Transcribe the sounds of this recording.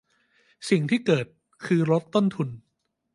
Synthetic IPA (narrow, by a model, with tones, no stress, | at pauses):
si˨˩ŋt̪ʰiː˥˩kɤː˨˩t̪̚ | kʰɯː˧ɾo˦˥t̪ːo˥˩nt̪ʰu˧n